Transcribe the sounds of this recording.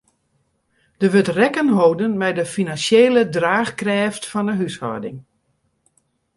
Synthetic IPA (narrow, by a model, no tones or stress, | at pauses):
d̥əʋøtrɛkənɦowdənmɛjdəfinanseːlədraːxkrɛːftfɔndəɦyshɔ̰dɪŋ